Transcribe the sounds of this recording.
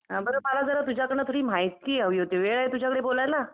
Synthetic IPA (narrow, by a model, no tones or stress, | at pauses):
ɦãbəɾəːmalad͡zəɾat̪ud͡ʑʱjakəɾɳ̃at̪ʰoɽiːm̤ajskiːɦəʋiːɦot̪eʋeɭajt̪ud͡ʑʱakəɽebolajla